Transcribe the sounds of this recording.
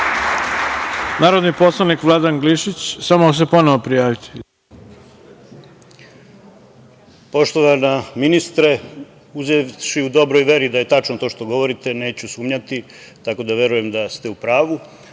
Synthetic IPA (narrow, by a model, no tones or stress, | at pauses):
naːɾod̪nipo̞slˠanikʋlˠad̪anɡliʃit͡ɕsamos̬epo̞noʋopɾijaːʋit̪ʰi̥ | po̞ʃt̪oʋanaminist̪ɾe̞ | uzeʋʃiud̪o̞bɾojʋje̞ɾid̪aje̞t̪at͡ʃnot̪o̞ʃt̪o̞ɡo̞ʋo̞ɾit̪e̞ne̞ːt͡ɕusuːmɲat̪i | t̪ako̞d̪aʋje̞ɾuje̞md̪ast̪e̞upɾaːʋu